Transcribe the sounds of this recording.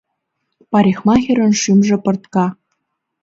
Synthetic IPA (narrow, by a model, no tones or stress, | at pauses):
pɑɾʲixmɑxʲĕɾɤ̆nʃymʒĕpɤ̆rt̪kɑ